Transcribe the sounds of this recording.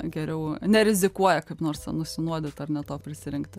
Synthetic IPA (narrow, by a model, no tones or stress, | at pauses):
ɡʲɛɾʲɛʊnʲɛɾʲɪzʲɪkuɔjɛkɐɪpnoːrsnʊsʲɪnuɔd̪ʲɪt̪ɐrnʲɛt̪oːpʲɾʲɪsʲɪɾʲɪŋkt̪ʲ